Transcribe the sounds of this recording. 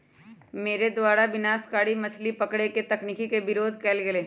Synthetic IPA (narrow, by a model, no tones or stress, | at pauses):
meːɾed̪waːɾaʋɪnaːskaːɽimɐt͡ʃʰlipɐkɽeket̪ɐknikikebɪɾoːd̪ʱkɛːlɡeleː